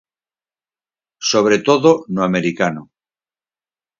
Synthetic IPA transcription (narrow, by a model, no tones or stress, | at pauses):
so̞β̞ɾet̪oðonoame̞ɾikano